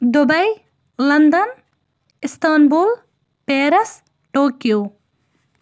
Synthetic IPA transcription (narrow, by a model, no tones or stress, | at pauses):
d̪obɐj | lɐnd̪ɐn | ist̪aːnbul | peːɾɐs | ʈoːkju